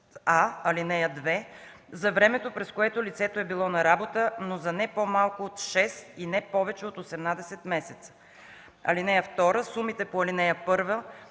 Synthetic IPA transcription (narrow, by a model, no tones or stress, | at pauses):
aɐlinɛjəd̪vɛ | zɐvɾɛmɛt̪opɾɛskoɛt̪olit̪sɛt̪oɛbilˠɔnɐɾabot̪ənozɐnɛpomalˠkʊːt̪ʃɛst̪inɛpɔvɛt͡ʃɛot̪osɛmnad̪ɛsɛt̪mɛsɛt̪sə̥ | ɐ̰linɛjəft̪ɔɾəsumit̪ɛpoɐlinɛjəpɤɾvə